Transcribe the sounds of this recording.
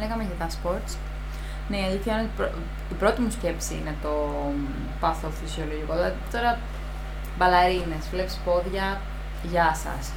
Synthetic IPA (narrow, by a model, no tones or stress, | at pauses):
leɣɐmeʝɐt̪ɐspo̞ɾt̪t͡s | neiɐliθçɐinot̪ipɾo | ipɾo̞t̪imusce̞psiḭne̞t̪o̞ | pɐθofisio̞loʝiko̞ðlɐðit̪o̞ɾɐ | bɐlɐɾine̞svlepi̥spo̞ðʝɐ | ʝɐsɐ̰s